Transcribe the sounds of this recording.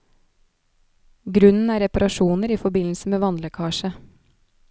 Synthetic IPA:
ɡɾʉnn̩æːɾɛpɑɾʔɑʃuːnəɾiːfɔbɪnl̩səmeːʋɑnləkʰɑːʃə

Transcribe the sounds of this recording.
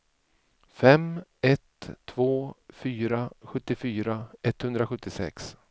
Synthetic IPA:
fɛmɛt̪ʰːvoːfyːɾaɧɵt̪ːɪfyːɾaɛt̪ːhɵnd̪ɾaɧɵt̪ːɪsɛ̰ks

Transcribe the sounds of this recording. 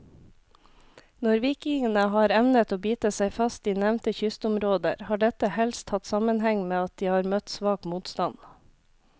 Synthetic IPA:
nɔɾʋiːkɪŋənəɦɑːɾɛʋnət̪oːbiːt̪əsæɪfɑst̪iːnæʋnt̪əçʏst̪ʊmɾoːd̪ə̰ɾhɑːɖɛt̪əhɛlst̪hɑt̪sɑmənɦɛŋmeːɑt̪̚d̪iːhɑːɾmœt̪sʋɑːkmuːt̪st̪ɑn

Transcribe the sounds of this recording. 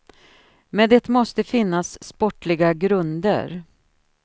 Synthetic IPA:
mɛnd̪ɛt̪mɔst̪əfɪnːasːpɔʈlɪɡaɡɾɵnd̪ə̰ɾ

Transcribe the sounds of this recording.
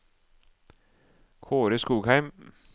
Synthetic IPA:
kʰoːɾəskuːɡhæɪm

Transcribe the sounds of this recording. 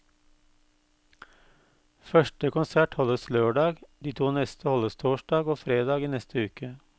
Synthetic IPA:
fœʃʈəkʊnsæʈhɔləsløːɖɑːɡd̪iːt̪ʰuːnɛst̪ʰəhɔləst̪ʰoːʃɖɑːɡoːfɾeːd̪ɑːɡiːnɛst̪ʰəʉːkə

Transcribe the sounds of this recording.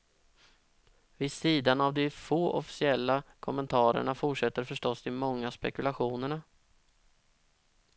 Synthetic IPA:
vɪsiːd̪anavd̪ɪfoːʔɔfɪ̥sɪɛlːakʰɔmːɛnt̪ʰɑːɾə̰ɳafʊʈʂɛt̪ːəɾfœʂʈɔsd̪ɪmɔŋːaspɛkɵlaɧuːnəɳa

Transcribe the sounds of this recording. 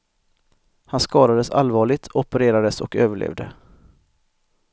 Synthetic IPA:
hanskɑːd̪ad̪əsa̰lvɑːɭɪt̪ʰɔpəɾeːɾad̪əsɔkøːvəɭḛːvd̪ə

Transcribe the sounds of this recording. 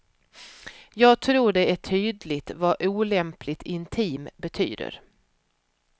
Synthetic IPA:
jɑːɡt̪ʰɾuːɖɛæʈʰyːd̪lɪt̪vaʔuːlɛmpʰlɪt̪ʰɪnt̪ʰiːmbɛt̪ʰy̰ːd̪ə̰ɾ

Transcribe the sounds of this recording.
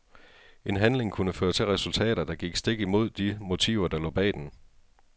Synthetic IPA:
e̝nɦænle̝ŋkʰunəføːɐt͡sʰe̝lʁɛsult͡sʰɛ̰ːɾ̥ɐd̥ɑ̈ɡ̥iɡ̥sd̥e̝ɡ̥əimo̝ð̞̰ˠd̥imo̝t͡sʰḭʊɐd̥ɑ̈lɔ̰ːb̥ɛ̰ːd̥en

